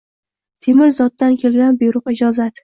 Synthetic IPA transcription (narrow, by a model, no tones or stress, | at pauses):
t̪ʰemɪɾzɒt̪̚ːankʲʰe̞lɡʲanbʊjɾʊqɪd͡ʒɒzat̪